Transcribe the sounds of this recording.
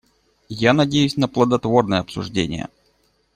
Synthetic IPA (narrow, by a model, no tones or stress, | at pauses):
janɐdʲejʉsʲnəplˠəd̪ɐt̪vo̞rnɨjəɐpsʊ̰ʐdʲḛnʲɪ̰jə̰